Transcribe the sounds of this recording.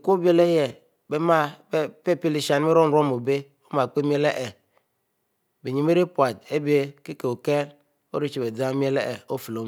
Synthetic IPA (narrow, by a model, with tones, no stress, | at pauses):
ko˦bi˦e˦˨le˦jɛ˨ | be˦ma˦pe˦pi˦li˨ʃa˨n˦me˦ɾo˦n˨ɾo˦mo˨be˦ | o˦ma˨k͡pe˦mi˦e˦le˦ʔɛ˨ | be˨ɲi˨m˦e˦ɾi˦pwa˨de˦be˦ki˦ke˨o˨ke˦l | o̰˦ɾi˦t͡ʃi˨be˨d͡za˦m˦e˦lɛ˦ʔɛ˨o˦fi˨lo˨